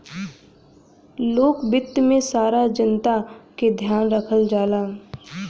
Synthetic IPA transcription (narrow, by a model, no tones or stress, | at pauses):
loːkbɪt̪ːmẽsaːɾad͡ʒənt̪aked̪ʱjaːnɾəkʰəld͡ʒaːlaː